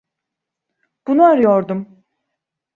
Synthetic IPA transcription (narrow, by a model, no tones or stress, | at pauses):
b̥unuaɾɯjoɾd̪um